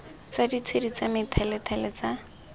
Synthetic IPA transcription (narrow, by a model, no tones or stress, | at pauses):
t͡sadit͡sʰedit͡samɪtʰɛlɛtʰɛlɛt͡sa